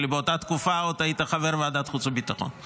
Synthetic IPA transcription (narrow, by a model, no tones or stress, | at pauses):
libeot̪at̪kufaot̪ajit̪aχaveɾveadat̪χut͡subit̪aχo̰n